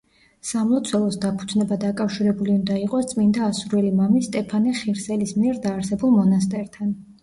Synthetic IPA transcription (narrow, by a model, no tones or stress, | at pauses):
samlˠɔt̪sʰwɛlˠɔsd̪apʰu̥t̪ʰnɛbad̪akʼafʃiɾɛbuliund̪aiqʼɔst̪sʼmind̪aːsuɾɛlimamist̪ʼɛpʰanɛχiɾsɛlismiɛɾd̪aːɾsɛbulˠmɔnast̪ʼɛɾt̪ʰan